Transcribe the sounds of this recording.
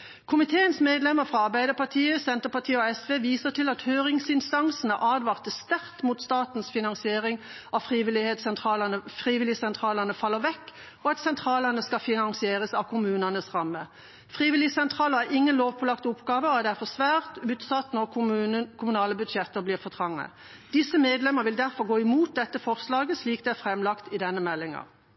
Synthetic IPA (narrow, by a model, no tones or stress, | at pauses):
kʰʊmɪt̪ʰeːənsmeːd̪lɛməʁfʁɑɑʁbæɪd̪əʁpɑt̪ʰiːəsɛnt̪əpɑt̪ʰiːəɔɛsʋeːʋiːsət̪ʰɪlɑt̪høːʁɪŋsɪnst̪ɑŋsn̩əʔɑːd̪ʋɑːʁt̪əst̪æʁt̪muːt̪st̪ɑːt̪n̩sfɪnɑŋsɪeːʁɪŋ | ɑfʁiːʋɪlɪhed̪sɛnt̪ʁɑːlənəfʁiːʋɪlɪsɛnt̪ʰʁɑːləʁnəfɑlːəʁʋɛkː | ɔɑt̪sɛnt̪ʰʁɑːlənəskɑfɪnɑŋsɪeːʁəsɑʋkʰʊmʉːnənəsʁɑmːə | fʁiːʋɪlɪsɛnt̪ʰʁɑːləʁæʁɪŋːənloːʋpʰɔlɑkt̪ʊpɡɑːʋəɔɑd̪ɛæfɔsʋæːʁt̪ʉːt̪sɑt̪nɔʁkʰʊmʉnɑːləbʉd̪ʃɛt̪ːəʁbliːʁfɔt̪ʰʁɑŋːə̰ | d̪ɪsəmeːd̪lɛməʁʋɪld̪æʁfɔʁɡoːɪmuːt̪̚d̪ɛt̪ːəfɔʁslɑːɡəsliːk̚d̪ɛæɾfʁɛmlɑkt̪ɪd̪ɛnːəmɛlːɪŋɑ̰